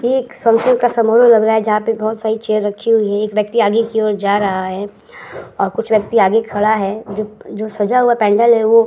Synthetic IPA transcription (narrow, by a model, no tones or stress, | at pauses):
eːkfɐ̃ŋkʃənkasɐmoːɾolɐɡɾaaɦɛd͡ʒɐɦãpebɔɦt̪saːɾit͡ʃeːɾɾɐkʰːiɦʊiɦɛ̃eːkʋjɐk̚t̪iaːɡekiɔːɾd͡ʒaːɾɐɦaɦɛː | ɔːɾkʊt͡ʃʰʋjɐk̚t̪iaːɡekʰɐɽaɦɛd͡ʒoːd͡ʒoːsɐd͡ʒaɦuapɛ̃ːɳɖəlɦɛʋo